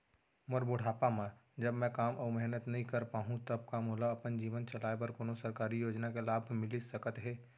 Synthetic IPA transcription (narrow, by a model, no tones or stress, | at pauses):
mɐɾbʊɽ̤aːpamad͡ʒɐbmɛ̃kaːmʔɔːɾmɛɦnət̪nɐɦĩkɐɾpaːɦũt̪ɐb̚kamuːlaɐpənd͡ʒiːʋənt͡ʃɐlaːepɐɾkoːnosɐɾkaːɾijoːd͡ʒnakelaːbʱmɪlisɐkət̪ɦɛː